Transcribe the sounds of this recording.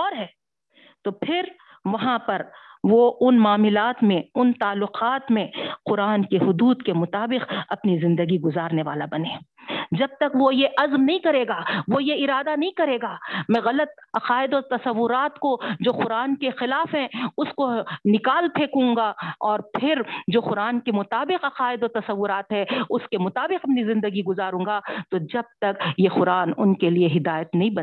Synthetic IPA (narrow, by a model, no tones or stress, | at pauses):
ɔːɾɦɛː | t̪opʰɪɾ | ʋɐɦãpɐɾʋoʔʊnmaːmɪlaːt̪mẽʊnt̪aːlːʊqaːt̪mẽqʊɾaːnkeɦʊd̪uːd̪kemʊt̪aːbɪqɐpnizɪ̃nd̪əɡiɡʊzaːɾneʋa̰ːlabɐnẽːd͡ʒɐb̚t̪ɐkʋojeʔɐzmnɐɦĩkɐɾeːɡaːʋojeɪɾaːd̪anɐɦĩkɐɾeːɡaːmɛ̃ɣɐlət̪̚ɐqaːɪd̪ɔːɾt̪ɐsɐʋːʊɾaːt̪kod͡ʒoːxʊɾaːnkexɪlaːfɦɛ̃ʊskonɪkaːlt̪ʰeːkũːŋɡaɔːɾpʰɪɾd͡ʒoːxʊɾaːnkemʊt̪aːbɪqɐqaːɪd̪ɔːɾt̪ɐsɐʋːʊɾaːt̪ɦɛʊskemʊt̪aːbɪqɐpnizɪ̃nd̪əɡiɡʊzaːɾũːŋɡat̪od͡ʒɐb̚t̪ɐkjexʊɾaːnʊnkelieɦɪd̪aːjət̪nɐɦĩbɐ